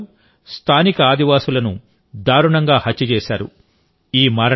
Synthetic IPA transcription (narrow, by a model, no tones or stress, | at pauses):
st̪ʰaːnikɐaːd̪iʋaːsulɐnu | d̪aːɾuɳɐŋɡaːhɐt͡ʃːɐt͡ʃɛːʃaːɾṵ | iːmaːɾɐ